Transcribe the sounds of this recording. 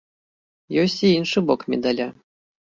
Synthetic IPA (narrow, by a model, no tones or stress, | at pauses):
josʲt̪ʲiinʂɨbokmʲḛd̪alʲa